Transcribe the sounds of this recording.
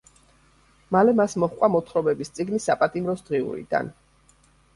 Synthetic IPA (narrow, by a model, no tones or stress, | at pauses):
malɛmasmɔχkʷʼwamɔt̪ʰχɾɔbɛbist̪sʼiɡnisapʼat̪ʼimɾɔsd̪̥ʁiṵɾḭd̪a̰n